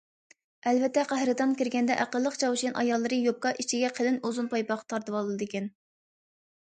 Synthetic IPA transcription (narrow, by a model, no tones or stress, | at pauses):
ɛlvɛt̪ːɛqʰæɦɾɨt̪ɑnkʲiɾɡʲɛnd̪ɛʔæqəlˠːəqt͡ʃʰɑwʃinʔɑ̰jɑlˠːɨɾɨjop̚kɑʔit͡ʃʰiɡʲɛqʰəlɨnozunpɑjpɑqɑ̥t̪ʰɑɾt̪ɨwɑlˠɨlˠɨd̪ɨkʲɛn